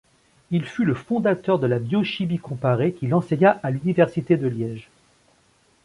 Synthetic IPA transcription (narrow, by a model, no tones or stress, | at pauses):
ilfyləfɔ̃d̪at̪œʁd̪əlabjɔʃimikɔ̃paʁekʲilɑ̃seɲaʔalynivɛʁsit̪ed̪əljɛʒ